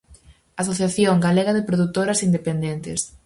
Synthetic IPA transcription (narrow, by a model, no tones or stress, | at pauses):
asoθjaθjoŋɡaleɣaðɪpɾoðut̪oɾɐsind̪epend̪ent̪ɪs